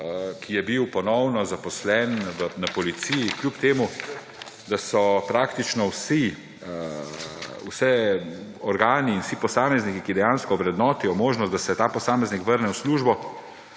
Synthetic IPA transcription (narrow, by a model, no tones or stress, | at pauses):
kʰijɛbiwpɔnɔwnɔzapɔslɛnʋənapɔlit̪sijikljupt̪eːmu | d̪asɔpɾaːkt̪it͡ʃnɔwsi | wsɛ | ɔɾɡaːniːnwsipɔsaːmɛznikikid̪ɛjaːnskɔwɾɛd̪nɔːt̪ijɔmoːʒnɔst̪d̪asɛt̪aːpɔsaːmɛznikʋəɾnɛwsluːʒbɔ